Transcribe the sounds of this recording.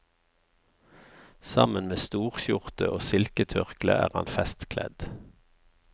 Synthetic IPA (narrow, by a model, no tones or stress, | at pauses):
sɑmənmeːst̪uːʁçʊʁt̪əʔoːsɪlkət̪ʰʏʁklə̰ʔæ̰ːʁɑ̰nfɛst̪kʰlɛ̰d̪̥